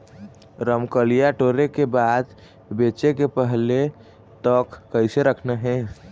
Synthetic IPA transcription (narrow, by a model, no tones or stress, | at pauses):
ɾəmkəlijaʈoɾekebad̪ | bet͡ʃekepəɦle | t̪ɔkːəɪseɾəkʰneɦɛ̃